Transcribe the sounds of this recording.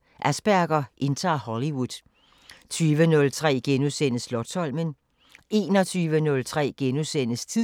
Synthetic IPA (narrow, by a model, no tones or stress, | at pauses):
ʔæsb̥æɐɡ̥ɐʔe̝nt͡sʰɑ̰̈ːhɒliwuð̥ˠ | t͡sʰyːʋənɔ̽lt͡sʰʁɛ̰ːɡ̥enusen̰əslɒ̥̽sʰɒl̰mən | e̝̰ːnɒ̽t͡sʰyːʋənɔ̽lt͡sʰʁɛ̰ːɡ̥enusen̰əst͡sʰi